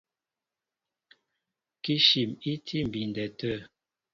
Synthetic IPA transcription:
ki˦ʃi˨mi˦tʰi˦m˨bi˨n˨dɛ˨tə˦˨

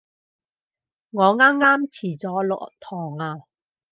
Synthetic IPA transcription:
ŋɔː˨˧ŋaː˥mŋaː˥mt͡sʰiː˨˩t͡sɔː˨˥lɔ̰˨t̪ʰɔː˨˩ŋaː˧

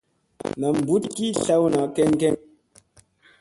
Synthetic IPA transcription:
nə˨m̩˨bu˦tki˦ɬa˦wna˨˦kɛ˦ŋ˦kɛ˦ŋ

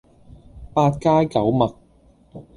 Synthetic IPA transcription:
paː˧t̚kaː˥jkɐ˨˥wmɐ˨k̚

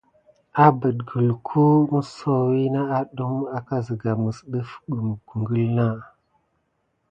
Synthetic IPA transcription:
a˦bə˨dɡə˨lkʰu˦mə˦so˨wi˦na˦a˦ɗu˦ma˨ka˦zə˨ɡa˨mə˨sɗə˦fɓə˨m˨ɡu˨ŋɡə˦lna˦

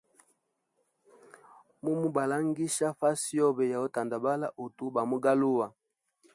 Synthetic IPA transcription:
mu˦mu˦ba˨la˦ŋɡi˦ʃa˦fa˦si˦ɔ˦bɛ˨ja˨ɔ˦ta˨nda˨ba˦la˦ʔu˨tu˦ba˨mu˦ɡa˦lu˦wa˨

